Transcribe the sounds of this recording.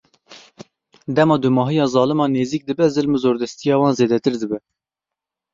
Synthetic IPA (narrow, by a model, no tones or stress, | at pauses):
d̪ɛmɑːd̪umɑːɦijɑːzɑːlɨmɑːneːziːk̚d̪ɨbɛzɨlmɨzoːɾd̪ɛst̪ijɑːwɑːnzeːd̪ɛt̪ɨɾd̪ɨbɛ